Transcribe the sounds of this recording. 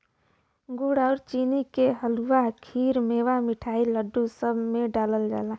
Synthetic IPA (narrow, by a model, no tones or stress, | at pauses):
ɡuɽaʊɾt͡ʃinikeɦəluwakʰiːɾmeʋamiʈʰaːiləɖːusəbʱmeɖaːləld͡ʒa̰ːla